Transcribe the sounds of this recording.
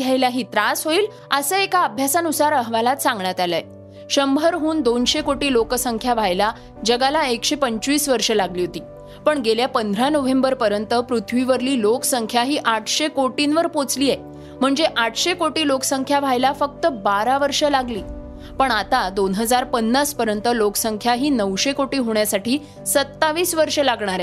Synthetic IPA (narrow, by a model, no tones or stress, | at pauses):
jajlaɦiːt̪ɾasɦoiːl | əsəekaəbʱjasanusaɾəɦʋalat̪sãŋɡɳjat̪jalae | ɕəmbʱəɾɦuːnd̪onɕekoʈiːlokəsəŋkʰjaʋ̤ajla | d͡ʑəɡalaekɕepəɲt͡ɕʋiːsʋəɾʂəlaɡliːɦot̪iː | pəɳɡeljapənd̪ʱɾanoʋembəɾpəɾjənt̪əpɾut̪ʰʋiʋəɾliːlokəsəŋkʰjaɦiːʔaʈʰɕekoʈinʋəɾpot͡sliːje | m̤əɳd͡zeʔaʈʰɕekoʈiːloksəŋkʰjaʋ̤ʱajlafək̚t̪əbaɾaʋəɾʂəlaɡliː | pəɳat̪ad̪onɦəd͡zaɾpənːaspəɾjənt̪əloksəŋkʰjaɦiːnəʋɕekoʈiːɦoɳjasaʈiː | sət̪ːaʋiːsʋəɾʂəlaɡɳ̃aɾɛ